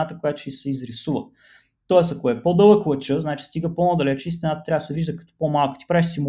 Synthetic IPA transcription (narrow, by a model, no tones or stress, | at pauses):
at̪əkojat̪o̥ʃisɛizɾisuvə̰ | t̪ɔɛsɐkoɛpod̪ɤlˠəklˠət͡ʃəznat͡ʃi̥st̪iɡəponɔd̪ɐlɛt͡ʃɛist̪ʲinat̪ət̪ɾʲavəsɛviʒd̪əkɐ̥t̪ɔ̥pomalˠkə̥t̪i̥pɾaiʃsim